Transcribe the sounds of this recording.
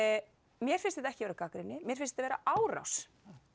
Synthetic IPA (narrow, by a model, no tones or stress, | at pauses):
mjɛɾ̥fɪnst̪ɪt̪ɛhcɪvɛːɾakakɾɪnːɪmjɛɾ̥fɪnst̪ɪt̪avɛːɾa̰ʔaːwra̰ws